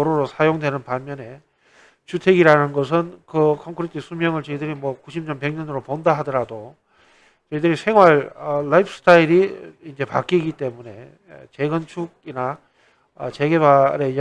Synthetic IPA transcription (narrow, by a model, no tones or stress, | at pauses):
oɾoɾosʰajoŋdwe̞nɯnpamjʌne̞ | t͡ɕutʰe̞ɡiɾanɯnɡʌs̬ʰɯnkɯkʰʌŋkʰɯɾitʰisʰumjʌŋɯɭt͡ɕʌidɯɾimwʌkuɕʰimɲʌnpe̞ŋɲʌnɯɾopondaɦadʌɾado | t͡ɕʌidɯɾisʰe̞ŋɦwaɭʌːaip̚ʰs͈ɯ̥tʰaiɾiind͡ʑe̞pa̰k͈iɡit͈e̞mune̞ | t͡ɕe̞ɡɯnt͡ɕʰuɡ̚ina | t͡ɕe̞ɡe̞baɾe̞j